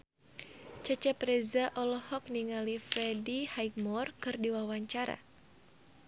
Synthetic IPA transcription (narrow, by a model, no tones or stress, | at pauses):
t͡ʃat͡ʃɛpɾɛzaʔɔlɔhɔk̚niŋalifɾɛdihajk̚mɔrkɨrdiwawaɲt͡ʃaɾa̰